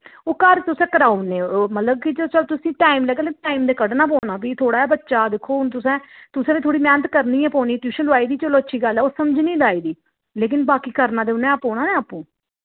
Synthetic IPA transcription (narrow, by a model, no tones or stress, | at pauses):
oːkəɾt̪ʊsɛ̃ːkəɾaːunẽːomət̪ləb̚kit͡ʃət͡ʃəlt̪ʊsĩːʈaːimləɡəlẽːʈaːiːmd̪eːkəɖnaːp̬oːnaːpiːt̪ʰoːɽaːɛːbətːʃaːd̪ɪkʰːoːʊnt̪ʊsɛ̃ːt̪ʊsɛ̃ːdiːt̪ʰoːɽiːmɛːnət̪kəɾniːɛ̃ːpɔːniːʈ̪uːʃə̃nlʊaːiːd̪iːt͡ʃəloːətːʃʰiːɡəlɛːoːsəmd͡ʒniːlaːiːd̪iː | leːk̬ɪnbaːkiːkəɾnãːd̪eːʊnɛ̃ːaːpɔ̃ːnaːnẽːaːpũː